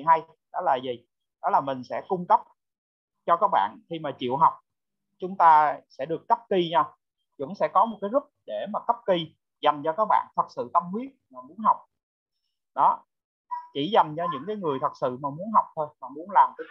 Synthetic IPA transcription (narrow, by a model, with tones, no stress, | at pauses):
i˨˩ɦa˧j | ɗɔ˨˦laː˨˩zi˨˩ | ɗɔ˨˦laː˨˩mï˨˩ŋ̟sɛ̰˧˥kʊ˧ŋ͡mkə˦˥p̚ | t͡ɕɔ˧kaː˦˥k̚ɓa̰ː˧˨nxi˧maː˨˩t͡ɕḭ˧˨əwɦa˨˩wk͡p̚ | t͡ɕʊ˨˦ŋ͡mt̪aː˧sɛ̰˧˥ɗɨ˨˩əkːə˦˥p̚ki˧ɲa˧ | kʊ̰˧˥ŋ͡msɛ̰˧˥kɔ˨˦mo˨˩t̚kaː˨˦jzʊ˦˥k͡p̚ɗe˧˩maː˨˩kə˦˥p̚ki˧ | za˨˩ŋt͡ɕɔ˧kaː˦˥k̚ɓa̰ː˧˨nt̪ʰə˨˩t̚sɨ̰˧˨t̪ə˧mhwi˦˥ət̚maː˨˩mu˨˦ənɦa˨˩wk͡p̚ | ɗɔ˨˦ | t͡ɕḭ˧˩za˨˩ŋt͡ɕɔ˧ɲɨ̰˧˥ŋkaː˨˦jŋɨ˨˩əjt̪ʰə˨˩t̚sɨ̰˧˨maː˨˩mu˨˦ənɦa˨˩wk͡p̚t̪ʰo˧jmaː˨˩mu˨˦ənlaː˨˩mt̪